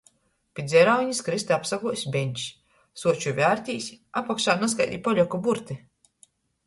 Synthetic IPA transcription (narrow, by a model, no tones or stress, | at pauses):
pʲit̪d̪zʲɛɾawiɲiskɾist̪ɛapsaɡuɔjsʲbʲeɲʲt͡ʃ | suɔt͡ʃuvʲaːɾt̪ʲiːsʲapakʃaːnaska̰jd̪ʲḭːpɔʎʲɔkɔbuɾt̪i